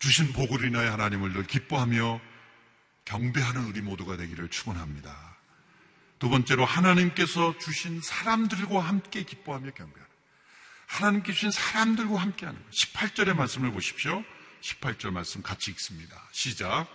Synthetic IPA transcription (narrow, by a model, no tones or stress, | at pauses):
t͡ɕuɕʰinpoɡuɾinaehanaɲimɯɭtɯɭkip͈oɦamjʌ | kjʌŋbe̞ɦanɯnɯɾimodoɡadwe̞ɡiɾɯɭt͡ɕʰuɡunɦamɲida | tobʌnt͡ɕ͈e̞ɾohanaɲimk͈e̞sʰʌt͡ɕuɕʰinsʰaɾamdɯɭɡwaɦamk͈e̞kip͈oɦamjʌkjʌŋbe̞ɦan | hanaɲimk̬͈e̞d͡ʑuɕʰinsʰaɾamdɯɭɡwahamk͈eɦanɯnɡʌɕʰi̥pʰaɭt͡ɕ͈ʌɾe̞maɭs͈ɯmɯɭboɕʰi̥pɕjoɕʰi̥pʰaɭt͡ɕ͈ʌɭmaɭs͈ɯmkat͡ɕʰiːk̚s͈ɯmɲida̰ɕʰid͡ʑak̚